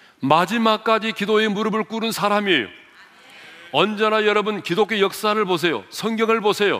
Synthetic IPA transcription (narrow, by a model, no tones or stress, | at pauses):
mad͡ʑimak͈ad͡ʑikidoemuɾʌbɯɭk͈uɾɯnsʰaɾamiejo̰ | ʌnd͡ʑenajʌɾʌbɯnkidokʰe̞jʌk̚s͈aɾɯɭbos̬ʰe̞jo̰sʰʌŋɡjʌŋɯɭbosʰe̞jo̰